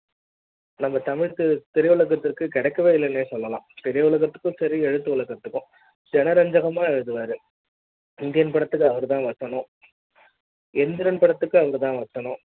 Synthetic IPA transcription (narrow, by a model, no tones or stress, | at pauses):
nɐmːɐt̪ɐmɪɻkɯt̪ɛɾɪjɐʋʊɭɐɣɐt̪ːɪɾkːɯkɪɽɛkːɐʋeːɪlːɐnːeːsɔlːɐlãːpɛɾɪjɐʊɭɐɣɐt̪ːɯ̥kːɯ̃sɐɾiɛɻɯt̪ːɯʊɭɐɣɐt̪ːɯkːʊ̃ | d͡ʒɛnɐɾɐɲd͡ʒɐɣɐmaːðɯʋaːɾɯ | ɪnd̪ɪjɐnpɐɽɐt̪ːɯkːɯɐʋɐɾɯt̪ãːʋɐsːɐnʊ̃ | ɛnd̪ɪɾɐnpɐɽɐt̪ːɯkːɯɐʋɐɾɯt̪ãːʋɐsːɐnʊ̃